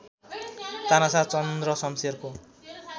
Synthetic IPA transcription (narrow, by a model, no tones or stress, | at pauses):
t̪anasat͡sʌnd̪rʌsʌmserko